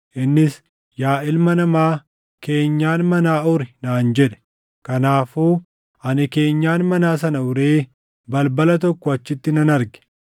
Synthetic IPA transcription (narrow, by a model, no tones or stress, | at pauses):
ʔɪnːɪs | jaːɪlmɐnɐmaː | ke̞ːɲːaːnmɐnaːʔʊɾɪnaːnd͡ʒɛᶑɛ̥ | kɐnaːfuː | ʔɐnɪke̞ːɲːaːnmɐnaːs̬ɐnɐʊɾeː | bɐlbɐlɐt̪ɔkːɔɐt͡ʃːɪt̪ːɪnɐnɐɾɡɛ̥